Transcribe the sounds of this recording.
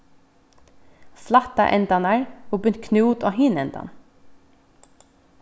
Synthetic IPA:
slɑt̪ɑ̰ʔɛnd̪ɑnæːɹuːbʏnt̪kʰnuːd̪oːhinɛnd̪ɑ̰n

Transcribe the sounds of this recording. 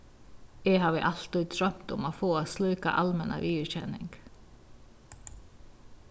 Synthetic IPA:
eːhɑːʋeːʔɑlt̪ɪt̪ʰɾœmt̪ʊmoːfoːoːslœːkɑ̰ʔɑlmɛnʔɑ̰ʋʔiːʉːçɛnɪ̰ŋɡ̥

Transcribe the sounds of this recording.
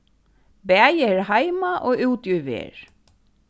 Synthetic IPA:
bɛæɪəɹhæɪmɑʔoːʔʉːt̪jʉʋḛːɹ

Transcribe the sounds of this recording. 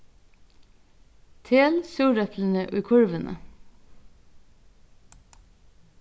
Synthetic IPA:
t̪ʰeːlsʉːɾœpʰln̩əʔʉːkʰʊɹʋənʔə̰

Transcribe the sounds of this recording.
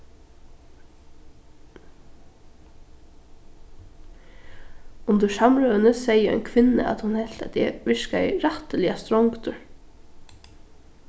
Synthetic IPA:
ʊnd̪əʂɑmɾœːənəsɛɪəɛ̰ɪnkʰʋɪnə̰ʔɑ̰t̪hʊnhɛlt̪ɑt̪ɛʋɪʃkaɛ̰ɪɾɑt̪əlɪɑst̪ɾɔŋkt̪əɹ

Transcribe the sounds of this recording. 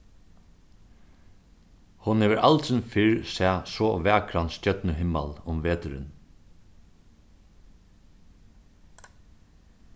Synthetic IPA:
hʊnɛʋɪɾʔa̰lt̪sɪnfɪɹsɛːsɔʋæːkʰɾanscœt̪nəɦɪmːa̰lʊmʋeːt̪ʏɾɪ̰n

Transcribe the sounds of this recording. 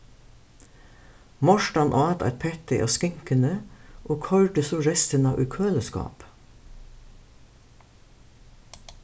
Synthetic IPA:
mɔʃʈɑnʔɑːt̪ɑ̰ːt̪pʰɛt̪ɪʔo̰ːskɪŋkənəʔoːkʰœʉɖəsoːɾɛst̪ənɑːʋʔʉːkʰøːləskɑ̰ːp

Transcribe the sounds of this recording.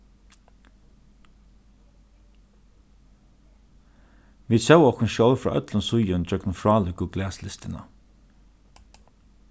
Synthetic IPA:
ʋiːd̪sœwɔkʊnʃjɔwfɹɑ̰ːʔœt̪lənsʊjʊnd͡ʒœknfɹɑːlʏɡʊɡlɛːslɪst̪ɪnə̰

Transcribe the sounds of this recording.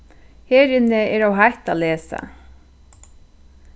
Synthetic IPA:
hɛːɾɪnɪɛɹawɦajht̪aːlɛːsa̰

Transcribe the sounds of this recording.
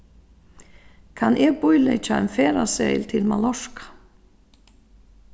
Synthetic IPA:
kʰanʔɛːɡpʊjlḛt͡ʃaɛ̰nfɛːɾasɛjlt̪ʰɪlma̰lɔʂkḁ

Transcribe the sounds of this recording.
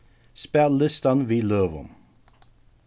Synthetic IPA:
spɛlːɪst̪ɑnʋiːløːʋɔ̰m

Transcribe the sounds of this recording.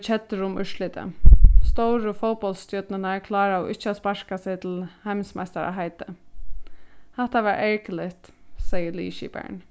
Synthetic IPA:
t͡ʃʰɛt̪ːəɾʊmʏ̰ʂlɪt̪ə̰st̪owɾəfɔwpɔlst̪jœt̪nənaɛɹkʰlɑːɾaɔʔɪ̰ht͡ʃːəaspaɹ̥kasɛɪt̪ʰɪlhaɪmsma̰ɪst̪a̰ɾa̰ɦaɪt̪ə | hɛht̪aʋɛːɾʔɛɹkəlɪht̪sɛjəlḭːʃḭbɛ̰ɹn

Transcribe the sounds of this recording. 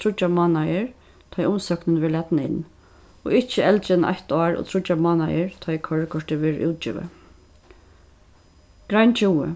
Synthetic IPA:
t̪ʰɾʊt͡ʃːamɔːnajɪɹ | t̪ʰɔjʊmsœknɪnʋɛːɭɛt̪nɪɪ̰n | ɔ̰ːɪht͡ʃːəɛlt͡ʃɪna̰jht̪ɑːɹʔɔ̰t̪ʰɾʊt͡ʃːamɑːnajɪɹt̪ʰɔjkʰœɹkʰɔʂt̪ɪʋɛːɹʔṵːt̪̚t͡ʃɪ̰ːʋa̰ | ɡ̥ɾajnt͡ʃʰuwə̰

